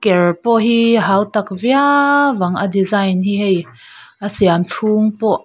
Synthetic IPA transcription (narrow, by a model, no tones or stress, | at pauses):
kɛrpɔɦiɦaːwt̪ɐkviavɐŋʔədizajnɦiɦej | ʔəsiamt͡sʰuːŋpɔʔ